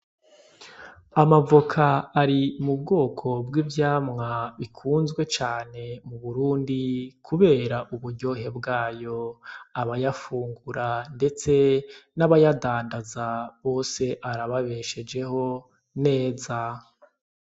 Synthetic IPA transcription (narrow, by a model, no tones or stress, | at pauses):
amavokʰaːɾimub̚ɡo̞ːkʰo̞bɡivjaːmŋaβikʰuːnzɡwe̞t͡ʃaːne̞muβuɾuːndikʰuβe̞ːɾaʔuβuɾɟo̞ɦe̞bɡaːjo̞aβajafuːŋɡuɾande̞t͡se̞naβajadaːndazaβo̞ːse̞ʔaɾaβaβe̞ʃe̞d͡ʒe̞ho̞ | ne̞ːza